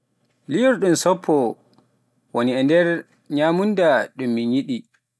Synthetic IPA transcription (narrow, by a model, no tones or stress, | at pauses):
lijɔɾɗumsɔpʰːɔ | woniɛndɛɾ | ɲamundaɗumːiɲiɗi